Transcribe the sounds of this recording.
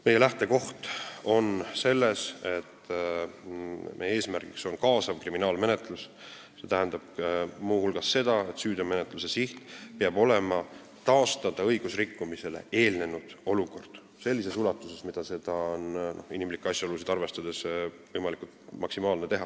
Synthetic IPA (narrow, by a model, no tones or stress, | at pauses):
me̞jelæht̪e̞ko̞ht̪o̞nse̞lːe̞se̞t̪ː | mʔejee̞ːsmærɡ̥ikso̞nkɑːsɑvkriminɑːlme̞ne̞t̪lus | se̞ːt̪æɦænd̪ɑb̥̚muːhulɡ̥ɑsːe̞d̪̥ɑe̞t̪syːd̪eme̞net̪ˑluse̞siht̪peɑbo̞lemɑ | t̪ɑost̪ɑd̪̥ɑɤ̞jɡ̥usrikːumise̞le̞̰ʔe̞ːlne̞nud̪̥o̞luko̞rd̪̥ | se̞lːise̞sulɑt̪ːˑuse̞smid̪̥ɑse̞d̪̥ɑonno̞hinimlikːˑɑsʲjɑolusid̪̥ɑrve̞st̪ɑd̪̥e̞svɤjmɑlikult̪mɑksimɑːlnet̪e̞ɦɑ